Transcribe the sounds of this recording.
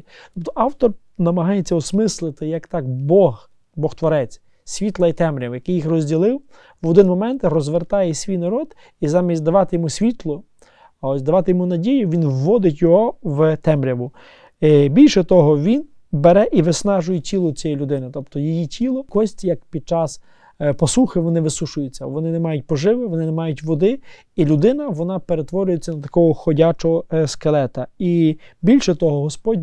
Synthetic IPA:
t̪ɔpt̪ɔʔɑwt̪ɔr | nɐmɐɦɑjet͡sʲːɐɔsmɪslˠɪt̪ɪjɐkt̪ɑkbɔh | bɔxt̪ʋɔɾɛt͡sʲ | sʲʋʲit̪lˠɐit̪ɛmɾʲɐwjɐkɪjixrɔzʲdʲilˠɪw | ʋɔd̪ɪnmɔmɛnt̪rɔzʋert̪ɑjɛsʲʋʲijnɐɾɔd̪ | izɑmʲisʲd̪ɐʋɑt̪ɪjɔmusʲʋʲit̪lˠɔ | ɔsʲd̪ɐʋɑt̪ɪjɔmunɐdʲijʊʋʲinwːɔd̪ɪtʲjɔɦɔʋt̪ɛmɾʲɐʋʊ | bʲilʲʃɛt̪ɔɦɔʋʲin | beɾɛʔiʋɪsnɑʒʊjɛtʲilˠɔt͡sʲɛjilʲʊd̪ɪnɪt̪ɔp̚t̪ɔjijitʲʰilˠɔkɔsʲtʲjɐkpʲid̪̚t͡ʃɑs | pɔsuxɪʋɔnɪʋɪsuʃʊjʊt͡sʲːɐʋɔnɪnɛmɑjʊt̚ʲpɔʒɪʋɪʋɔnɪnemɑjʊtʲʋɔd̪ɪ | ilʲʊd̪ɪnɐʋɔnɑpeɾet̪ʋɔɾʲʊjet͡sʲːɐnɐt̪ɐ̥kɔɦɔxɔdʲat͡ʃɔɦɔskelˠɛt̪ɐibʲilʲʃɛt̪ɔɦɔɦɔspɔdʲ

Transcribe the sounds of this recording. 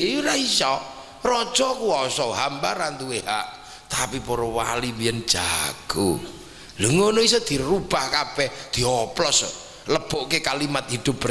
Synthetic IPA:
euɾaisɔ | rɔd̥ʒ̥ɔkuɔsɔɦambaɾant̪uehaʔ | t̪apipoɾɔwa̰limiɛnd̥ʒ̥aɡ̥o̰ | ləŋonois̬ɔd̪̥i̤rub̥ahkapɛd̪̥i̤ɔplɔs | ləb̥ɔʔkekalimat̪hid̪̥ʊp̚ː

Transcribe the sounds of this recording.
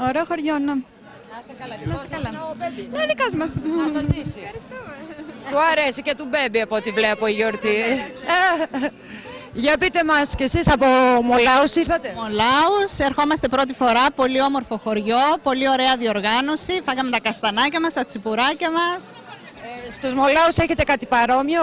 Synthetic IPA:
oɾeoxo̞ɾʝone | st̪ɐkɐlɐmɐssɐlɐbnenikɐzmɐsisiɐɾist̪umet̪uɐɾesicet̪ubembiɐpot̪ivleɐpoiʝoɾt̪i | ʝɐpit̪emɐscesisɐpomolɐusiɾθɐt̪emolɐuse̞ɾxo̞mɐst̪e̞pɾo̞t̪ifo̞ɾɐpo̞liomo̞ɾfo̞xo̞ɾʝo̞po̞lio̞ɾeɐðio̞ɾɣɐno̞sifɐɣɐmet̪ɐkɐst̪ɐnɐcɐmɐst̪ɐt͡sipuɾɐcɐmɐs | st̪ozmo̞lɐuse̞çe̞t̪ekɐt̪ipɐɾo̞mio

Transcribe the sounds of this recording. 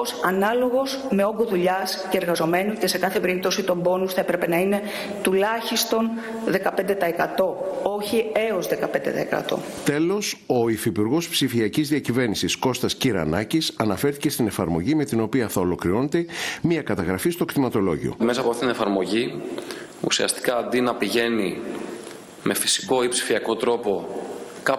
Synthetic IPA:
osɐnɐlo̞ɣo̞z | me̞o̞ŋɡoðuʎɐsce̞eɾɣɐzo̞me̞nuce̞se̞kɐθe̞pe̞ɾip̚t̪o̞sit̪o̞mbo̞nusθɐepɾepe̞nɐine̞ | t̪ulɐçist̪o̞n | ðe̞kɐpend̪e̞t̪ɐekɐt̪o̞o̞çie̞o̞zðe̞kɐpe̞nd̪e̞̰t̪ɐ̰ḛkɐ̰t̪o̞̰ | t̪e̞lo̞so̞ifipuɾɣo̞spsifiɐcizðiɐcive̞ɾnisisko̞st̪ɐsciɾɐ̰nɐcisɐnɐfe̞ɾθice̞st̪ine̞fɐɾmo̞ʝime̞t̪ino̞piɐθɐo̞lo̞kɾiɾo̞net̪emiɐkɐt̪ɐɣɾɐfist̪okt̪imɐt̪o̞lo̞ʝḭo̰me̞sɐpoɐfθit̪inefɐɾmo̞ʝi | ṵsiɐ̰st̪i̥kɐːnd̪inɐpiʝe̞ni | me̞fi̥si̥ko̞ipsi̥fiɐko̞t̪ɾo̞po | kɐ

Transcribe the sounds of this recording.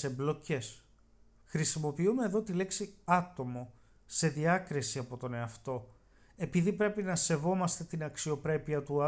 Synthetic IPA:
emblo̞ce̞s | xɾisimo̞piume̞ːðo̞t̪ile̞ksiɐt̪o̞mo̞ | se̞ðiɐkɾisiɐpo̞t̪o̞ne̞ɐft̪o̞ | e̞piðipɾe̞pinɐse̞vo̞mɐst̪e̞t̪inɐksio̞pɾe̞piɐt̪uɐ

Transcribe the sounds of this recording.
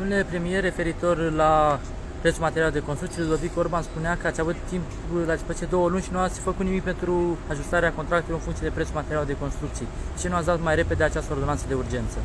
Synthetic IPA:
d̪omele̞pɾe̞mije̞re̞fe̞ɾit̪o̞rla | pɾe̞t̪sumat̪eɾiald̪e̞konst̪ɾukt̪ʲjelud̪o̞viko̞rbanspuneakəat̪sʲavut̪ːimp | lafət͡ʃed̪o̞wəlunʲʃinuat̪sʲfəkut̪nimik̚pe̞nt̪ɾuaʒust̪aɾeakont̪ɾakt̪uljoɨnfuŋkt̪sje̞d̪e̞pɾet̪sumat̪e̞ɾiald̪e̞ko̞nst̪ɾuk̚t̪sijed̪et͡ʃenuat̪s̬ʲd̪at̪majɾe̞pe̞d̪eat͡ʃast̪əo̞rd̪onansəd̪e̞urd͡ʒe̞nt̪sə

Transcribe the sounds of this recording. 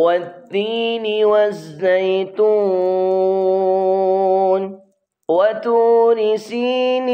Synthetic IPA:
wad̪ːiːnɪwazːajt̪uː | n | wat̪uːnɪsin

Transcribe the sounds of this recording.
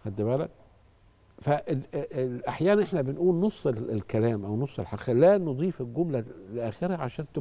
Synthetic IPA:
hæd̪ːɪbælæd̪̚ | fæʔeʔaħjæːnænʔeħnæbɪnʔuːlnosˤːellkælæːmʔæwnosˤːelħɑqːlænod̪ˤiːfelɡʊmlæleʔæːxɪɾhæʕaʃæːnt̪

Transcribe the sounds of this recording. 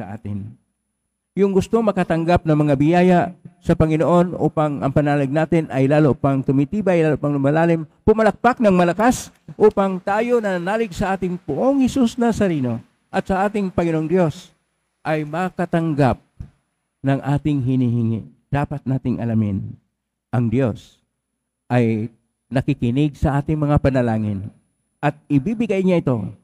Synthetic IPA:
ɐ̰ʔa̰ːt̪ɪn | jʊŋɡʊst̪oŋmɐkat̪ɐŋɡap̚nɐŋmɐŋabɪjaːjasɐpɐŋɪnoʔo̞nʔṵːpaŋɐ̰ŋpɐnaːlɪɡ̚naːt̪ɪnɐjlaːloʔpaŋt̪ʊmit̪iːbajlaːloʔpɐŋnʊmalaːlɪmpʊmɐlɐk̚pak̚nɐŋmɐlɐkas | ʔuːpaŋt̪aːjo̞nɐnaːlɪɡsɐʔaːt̪ɪŋpʊʔoŋhɛsusnasɐɾiːno̞ | ʔɐt̪sɐʔaːt̪ɪŋpɐŋɪnoŋd̪jo̞s | ʔɐjmakɐt̪ɐŋɡap̚ | nɐŋʔaːt̪ɪŋɦɪniɦɪŋɪ̰ | d̪̥aːpɐt̪̚naːt̪ɪŋʔɐ̰lɐmɪ̰n | ʔɐŋd̪jo̞s | ʔɐj | nɐkɪkɪnɪɡ̚sɐʔaːt̪ɪŋmɐŋapɐnɐlaːŋɪn | ʔɐt̪̚ɪbibɪɡajɲaʔɪt̪o̞̰

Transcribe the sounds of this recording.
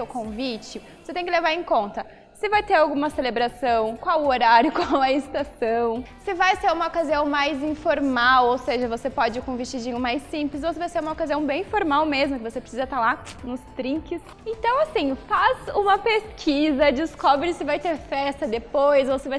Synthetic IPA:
sewkõvit͡ʃɪvvoset̪ẽj̃kɪlevaɾẽkõnt̪ɐ | sɪvajt̪eɾawɡũmɐselebɾasɐ̃w̃kwawoɾaɾjʊkwawɐɪst̪asɐ̃w̃sɪvajseɾũmɐokaziɐ̃w̃majzĩfoɾmawowseʒɐvosepɔd͡ʒɪʊkõvist͡ʃid͡ʒĩɲʊmajsĩplɪszowsevajseɾumɐokaziɐ̃w̃bẽj̃foɾmawmezmʊkɪvosepɾe̥sizɐt̪aɾlanʊst̪ɾĩŋkɪs | ẽnt̪ɐ̃w̃asĩfazũmɐpeskʰizɐd͡ʒɪskɔbɾɪsɪvajt̪eɾfɛst̪ɐd̪epojzowsɪvaj

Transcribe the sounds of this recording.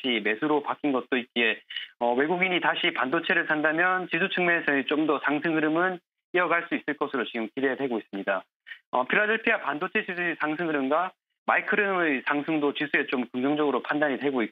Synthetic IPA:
ime̞sʰuɾopakʰinɡʌt̚t͈oit̚k͈ie̞ʌwe̞ɡuɡiɲitaɕʰipandot͡ɕʰe̞ɾɯɭsʰandamjʌnt͡ɕisʰut͡ɕʰɯŋmeesʰʌet͡ɕomdʌsʰaŋsʰɯŋɦɯɾɯmɯn | ijʌɡaɭs͈uis͈ɯɭk͈ʌsʰɯɾot͡ɕiɡɯmkide̞dwe̞ɡois͈ɯmɲida | ʌ̰pʰiɾadeɭpʰiapandot͡ɕʰe̞t͡ɕisʰusʰaŋsʰɯŋɯɾɯŋɡa | maikʰɯɾɯmsʰaŋsʰɯŋdot͡ɕisʰue̞t͡ɕomkɯŋd͡ʑʌŋd͡ʑʌɡɯɾopʰandaɲidwe̞ɡoik

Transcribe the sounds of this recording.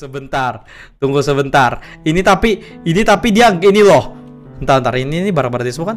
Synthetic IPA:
səbənt̪ar | t̪uŋɡusəbənt̪ar | init̪apiː | nit̪apidiaɡinilɔh | ənt̪aɾant̪aɾaininibaɾaŋbaɾat̪disəmukan

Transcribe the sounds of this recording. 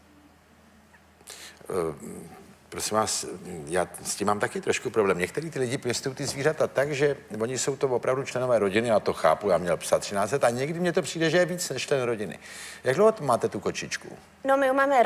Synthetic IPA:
pɾosɪmvaːsjaːscɪmːaːmt̪akɪt̪ɾo̞ʃkupɾoblɛːmɲɛk̚t̪ɛɾiːt̪ɪlɪɟɪpjɛst̪uwt̪ɪzviːrat̪at̪akʒɛvo̞ɲɪso̞wt̪ovopɾavdut͡ʃlɛno̞vɛːɾo̞ɟɪnɪat̪o̞xa̰ːpujaːmɲɛlpsat̪ːr̝̥ɪnaːtt͡sɛt̪aɲɛɡdɪmɲɛt̪o̞pr̝̥iːdɛʒɛjɛviːt͡snɛʃt͡ʃlɛnɾo̞ɟɪnɪ̰jaɡdlowɦot̪maːt̪ɛt̪ukot͡ʃɪt͡ʃkṵ | nomɪumaːmɛ

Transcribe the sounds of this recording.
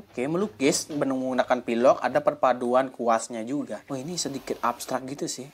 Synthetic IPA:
okeməluɡɪsbənuŋmunakanpilɔka̰dapərpaduankuasɲad͡ʒuɡaahinisədikɪt̪̚abst̪ɾak̚ɡit̪usɪh

